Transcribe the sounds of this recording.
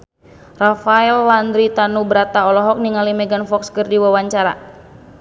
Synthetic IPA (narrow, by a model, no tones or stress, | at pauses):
rafaɛlwand̪ɾit̪anubəɾat̪aɔlɔɦɔk̚niŋalimɛɡanfɔkskərdiwawaɲt͡ʃaɾa̰